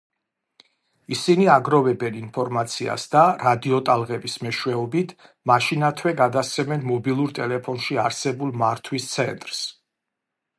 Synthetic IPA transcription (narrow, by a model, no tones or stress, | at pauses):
isiniaɡɾɔvɛbɛninpʰɔɾmat̪sʰia̰sd̪aɾad̪iɔt̪ʼalˠʁɛbismɛʃwɛɔbit̪ʰ | maʃinat̪ʰwɛɡad̪assʰɛmɛnmɔbilˠuɾt̪ʼɛlɛpʰɔnʃiaɾsɛbulˠmaɾt̪ʰwist̪sʰɛ̰nt̪ʼɾs